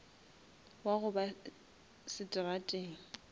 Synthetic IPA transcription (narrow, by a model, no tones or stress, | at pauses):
waɣʊba | sɪtʼɪratʼeːŋ̩